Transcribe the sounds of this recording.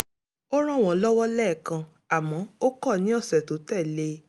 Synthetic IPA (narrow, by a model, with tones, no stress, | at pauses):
o˦ɾ̃ɔ̃˦˨w̃ɔ̃˨˦lɔ˦wɔ˦lɛː˦˨kã˧ | a˨mɔ̃˨˦o˦kɔ˦˨nĩ˨˦ɔ˦˨sɛ˨to˨˦tɛ˦˨le˧˦